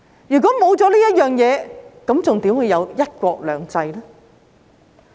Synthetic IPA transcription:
jyː˨˩kʷɔː˨˥mo˨˧wt͡sɔː˨˥liː˥jɐ˥t̚jœː˨˩ŋjɛː˨˧kɐ˨˥mt͡sʊ˨ŋt̪iː˨˥mhu˨˧jɐ˨˧wjɐ˥t̚kʷɔː˧k̚lœː˨˩ŋt͡sɐ˧jlɛː˥

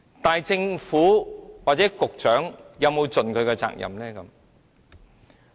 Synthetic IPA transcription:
t̪aː˨jt͡sɪ˧ŋfuː˨˥waː˨t̚t͡sɛː˨˥kʊ˨k̚t͡ʃœː˨˥ŋjɐ˨˧wmo˨˧wt͡sɵ˨nkʰɵ˨˧ɥkɛ˧t͡sa̰ː˧k̚jɐ̰˨mlɛː˥kɐ˨˧˦m

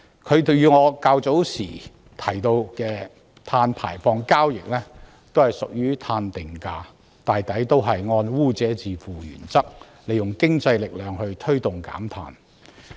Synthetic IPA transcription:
kʰɵ˨˧ɥt̪jyː˨˧ŋɔː˨˧kaː˧wt͡so˨˥wsiː˨˩ | t̪ʰɐ˨˩jt̪o˧wkɛː˧ | t̪ʰaː˧npʰa̰ː˨˩jfɔː˧ŋkaː˥wjɪ˨k̚lɛː˥ | t̪o˥whɐ˨jsʊ˨k̚jyː˥t̪ʰaː˧nt̪ɪ˨ŋkaː˧ | t̪aː˨jt̪ɐ˨˥jt̪o˥wɦɐ˨jŋɔː˧nwuː˥˩t͡sɛː˨˥t͡siː˨fuː˨jy̰ː˨˩nt͡sɐ˥k̚ | le˨˩jʊ˨ŋkɪ˥ŋt͡sɐ˧jlɪ˨k̚lœː˨˧ŋhɵ˧ɥt̪ʰɵ˥ɥt̪ʊ˨ŋka̰ː˨˥mt̪ʰa̰ː˧n

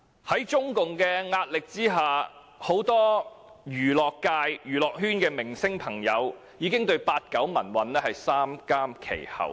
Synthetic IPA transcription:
hɐ˨˥jt͡ʃʊ˥ŋkʊ˨ŋkɛː˧ŋaː˧t̚lɪ˨k̚t͡siː˥ɦaː˨ | ho˨˥wt̪ɔː˥ɥyː˨˩lɔː˨kːaː˧jjyː˨˩lɔː˨k̚ɦyː˥nkɛː˧mɪ˨˩ŋsɪ˥ŋpʰɐ˨˩ŋjɐ˨˧w | jiː˨˧kɪ˥ŋt̪ɵ˧ɥpaː˧t̚kɐ˨˥wmɐ˨˩nwɐ˨˩nlɛː˥hɐ˨jsaː˥mkaː˥mkʰḛ˨˩jhɐ̰˨w

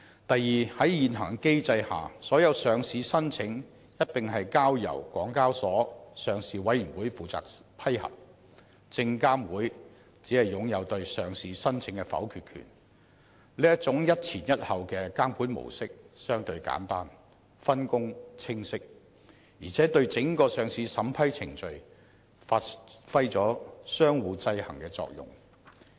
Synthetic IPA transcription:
t̪ɐ˨jjiː˨hɐ˨˥jjiː˨nɦɐː˨˩ŋke˥jt͡sɐ˧jha̰ː˨sɔː˨˥jɐ˨˧wsœː˨ŋsiː˨˧sɐ˥nt͡sʰɪ˨˥ŋ | jɐ˥t̚p̪ɪ˨ŋɦɐ˨jkaː˥wjɐ̰˨˩wkʷɔ̰ː˨˥ŋkaː˥wsɔː˨˥sœː˨˧ŋsiː˨wɐ˨˥jyː˨˩nwuː˨˥jfuː˨˩t͡sa̰ː˨k̚pʰɐ˥jhɐ̰˨p̚ | t͡sɪ˧ŋkaː˥mwuː˨˥j | t͡siː˨˥hɐ˨jːʊ˨˧˥ŋjɐ˨˧wt̪ɵ˧ɥsœː˨˩ŋsiː˨˧sɐ˥nt͡sʰɪ˨˧˥ŋkɛ˧fɐ̰˨˥wkʰyː˧t̚kʰy̰ː˨˩n | liː˥jɐ˥t̚t͡sʊ˨˥ŋjɐ˥t̚t͡sʰiː˨˩njɐ˥t̚hɐ˨wkɛː˧kaː˥mkʰuː˨˥nmo̰˨˩wsɪ˥k̚sœː˥ŋt̪ɵ˧ɥka̰ː˨˥nt̪aː˥n | fɐ˥nkʊ˥ŋt͡sʰɪ˥ŋsɪ˥k̚ | jiː˨˩t͡sʰɛː˨˥t̪ɵ˧ɥt͡sɪ˨˥ŋkɔː˧sœː˨ŋsiː˨˧sɐ˨˥mpʰɐ˥jt͡sʰɪ˨˩ŋt͡ʃɵ˨˧ɥ | faː˧tfɐ˥jt͡sɔː˨˥sœː˥ŋwuː˨˧t͡sɐ˧jhɐ˨˩ŋkɛː˧t͡sɔ̰ː˧k̚jʊ̰˨˩ŋ

